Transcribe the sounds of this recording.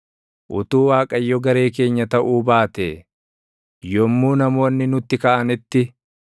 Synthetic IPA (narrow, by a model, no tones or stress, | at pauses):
ʔʊt̪uːwaːkʼɐjːɔɡɐɾe̞ːk̬e̞ːɲːɐt̪ɐʔuːbaːt̪eː | jɔmːuːnɐmo̞ːnːɪnʊt̪ːɪkɐʔɐnɪt̪ːɪ